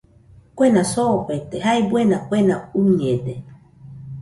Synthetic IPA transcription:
kwenasoʔet̪ehaebwenakʷenauɲed̪e

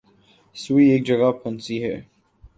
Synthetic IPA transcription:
suieːk̚d͡ʒɐɡapʰʊnsiɦɛ̰ː

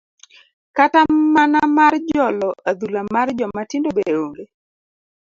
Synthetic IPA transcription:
katamanamard͡ʒɔlɔʔad̪ulamard͡ʒɔmatɪndobeɾoŋɡe

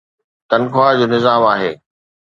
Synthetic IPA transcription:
t̪ɐnkʰoad͡ʑoːnɪzaːmaːɦḛː

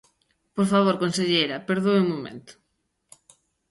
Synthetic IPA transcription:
poɾfaβ̞oɾkõnseʎejɾɐpeɾðowumomḛ̃nt̪ʊ̥

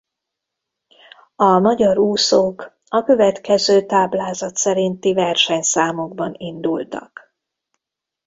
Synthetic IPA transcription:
ɒmɒɟɒɾuːsok | ɒkø̞vɛt̪kɛzøːt̪aːblaːzɒt̪sɛɾint̪ivɛrʃɛɲsaːmoɡ̚bɒnind̪ult̪ɒ̰k

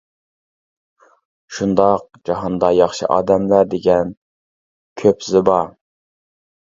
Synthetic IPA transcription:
ʃund̪ɑq̚d͡ʒɑɦɑnd̪ɑjɑχʃɨ̰ʔɑ̰ːd̪ɛmlæɾd̪eɡʲɛn | kʲʰøpzɪbɑ

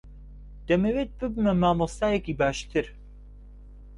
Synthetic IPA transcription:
d̪̥ɛmeweːt̪̚bɨbmɛmaːmɔst̪aːjɛkiːbaːʃt̪ʰɨɾ

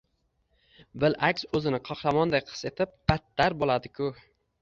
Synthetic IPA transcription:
bɪlakʲsɵzɪnɪqʰɒqɾamɒnd̪ajqʰɨ̥se̞t̪ʰɪp̚b̥at̪ːaɾbolˠad̪ɪkʰʊ

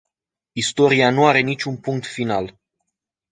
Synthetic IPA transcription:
ist̪o̞ɾianuaɾe̞nit͡ʃʲunpuŋk̚t̪final

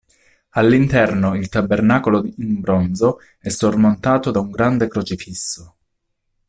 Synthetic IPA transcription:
alːint̪ɛrnoilt̪abːernakoloimbɾonzo | ɛsːormont̪aːt̪od̪auŋɡɾand̪ekɾot͡ʃifisːo

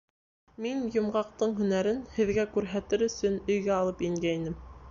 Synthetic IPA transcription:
minjŏmʁɑq̚t̪ɤɴɦɵ̆næɾɘnhɘ̆ðɡækʉɾɦæt̪ɘɾɵ̆sɵnɵ̆jɡæɑlˠɤpiŋɡæjinɘm

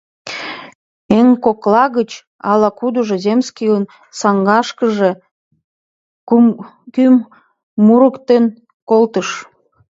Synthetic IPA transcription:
eŋkoklɑɣət͡ɕ | ɑlɑkud̪əʒezʲemskiən | sɑŋɡɑʃkəʒe | kymː | uɾəkt̪en | kolt̪əʃ

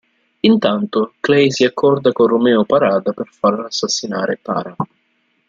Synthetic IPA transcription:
int̪ant̪ʊklɛjsiakːɔrd̪akorumɛːʊpaɾaːd̪apɪrfarlaːsːasːinaːɾɪpa̰ːɾa

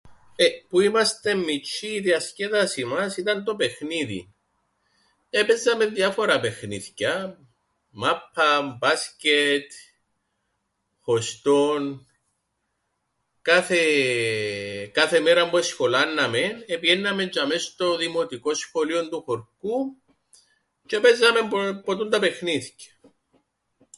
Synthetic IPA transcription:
epuimɐst̪e̞mːit͡ʃːiːðiɐsceðɐsimɐsit̪ɐnt̪o̞pexniðḭ | epezɐme̞nðjɐfoɾɐpe̞xniθcɐ | mapʰːɐmbascet̪ | xost̪on | kɐθe | kɐθemeɾɐmboesxolɐnːɐmenepiʝenːɐme̞ɲd͡ʒɐmest̪oðimot̪iko̞sxo̞liond̪uxoɾku | t͡ʃepezːɐme̞mpot̪unt̪ɐpe̞xniθcɐ̥

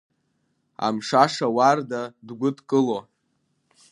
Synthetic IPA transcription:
a̰mʂaʂawardadɡʷʊtkʼɨlo

